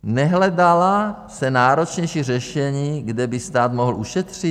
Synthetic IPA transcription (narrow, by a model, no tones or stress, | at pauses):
nɛɦlɛdala | sɛnaːɾo̞t͡ʃɲɛjʃiːrɛʃɛɲiːɡdɛbɪst̪aːt̪moɦl̩ʔuʃɛt̪r̝̥i